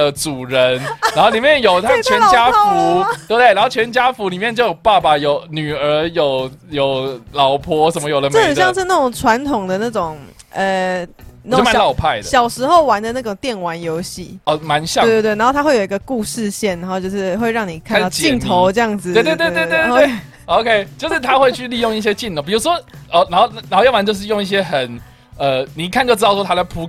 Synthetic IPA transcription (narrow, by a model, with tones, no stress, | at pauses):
ə˧t͡su˨˩ɻə˧˦nɻa˧˥nxo˥˩li˨˩mjɛ˥˨˩njo˨˩ʊt̪ʰa˥t͡ɕʰɥɛ˧˦t͡ɕja˥fu˨˦t̪we˥˧t̪e˥˩na˧˦nxo˥˩t͡ɕʰɥɛ˧˥nt͡ɕja˥fu˧˦li˨˩mjɛ˥˧nt͡ɕjo˥˩jo˨˩pa˥˧ba˨jo˨˩ʊny˨˩ə˧˥jo˨˩ʊjo˨˩ʊlɑ˨˩ʊpʰɔ˦˥ʂə˨nmə˦jo˨ʊlə˧m̩˥˩xə˨˩jɑ˥˧ŋʂ̬ɻ̩˥˧na˥˩ʈ͡ʂʊ˨˩ŋʈ͡ʂʰwa˧˦˥nt̪ʰʊ˨˩ŋd̪ə˩˦na˥˩ʈ͡ʂʊ˨˩ŋ | ə˨n˥˧˥o˥˧a˦˨lɑ˥˧ʊpʰa˥˩ɪd̪ə˨ɕjɑ˨˩ʊʂɻ̩˧˥xo˥˩ʊwa˧˦nd̪ə˧na˥˩ʈ͡ʂʊ˨˩ŋt̪jɛ˥˩nwa˧˦njo˧˦˥ʊɕḭ˥˨ɔ˧˩ma˨˦nɕjɑ˥˨˧t̪t̪wn˧˦˥o˥˩t̪ʰxwe˥˩jo˨˩i˧˦ɡ̥ə˧ku˥˧ʂɻ̩˥˧ɕjɛ˥˩na˨˧˥ɦo˥˧t͡ɕjo˥˧ʊʂɻ̩˥˧xwe˥˧ɪɻɑ˥˩ŋni˨˩kʰa˥n˥˧ʊ˨i˥nt̪ʰo˧˦ʊə˥˧jɑ˥˩ŋd͡zɹ̩˨e˥˧t̪t̪e˥˧t̪e˥˧t̪e˥˧e˥˩ | o˧ʊkʰe˦ɪt͡ɕjo˥˧ʊʂɻ̩˥˩t̪ʰa˦xwe˥˧ɪt͡ɕʰy˥˧li˥˧jo˥˧ŋi˥˩ɕjɛ˦˥t͡ɕi˥˧nʰo˨˩pi˨˩ɻu˧˦˥ʂwɔ˦˥ʔɔ˩na˧˦no˥˧ʊ˥˩n˧˦ho˥˧jɑ˥˩wa˧˦nt͡ɕjʊʂ̬̩˥˧jo˥˧ŋi˥˩ɕ̬jɛ˦˥xə˨˩n | ə˨˩ni˨˦kʰa˥˧nt͡ɕo˥˩ʊʈ͡ʂɻ̩˥ɑ˥˧ʊʂɔ˥t̪ʰa˥la˧˥ɪpʰu˧˥